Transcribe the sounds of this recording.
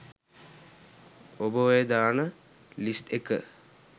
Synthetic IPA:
obəʋəjəd̪aːnə | list̪ekə̰

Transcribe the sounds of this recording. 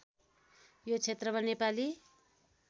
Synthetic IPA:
jot͡sʰet̪rʌmanepali

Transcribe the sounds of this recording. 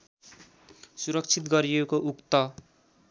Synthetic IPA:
suɾʌkt͡sʰit̪ɡʌɾijekoʔukt̪ʌ

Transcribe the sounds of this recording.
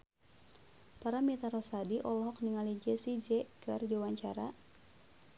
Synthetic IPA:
paɾamit̪aɾɔsadiʔɔlɔɦɔk̚niŋalid͡ʒɛsid͡ʒɛkɨrd͡ʒiwaɲt͡ʃa̰ɾa̰

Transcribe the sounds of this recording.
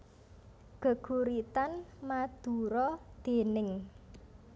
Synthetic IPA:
ɡ̥ə̤ɡ̥ṳɾit̪anmad̪̥ṳɾɔd̪̥e̤nɪŋ

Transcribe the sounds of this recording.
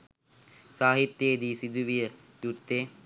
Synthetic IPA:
saːɦit̪ːjeːd̪isid̪uʋijə | t̪ut̪ːeː

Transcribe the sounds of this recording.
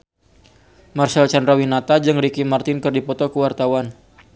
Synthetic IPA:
marsɛlt͡ʃandrawinat̪ad͡ʒɨŋɾikimart̪ɪnkɨrdipɔt̪ɔkəwart̪awan

